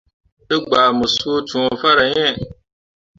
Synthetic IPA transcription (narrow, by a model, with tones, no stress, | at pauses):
ɨ˦ɡ͡baː˨mʊ˨su˦o˦tʰũ˨ɔ˨fa˦ɾa˨ɲɛ˦˨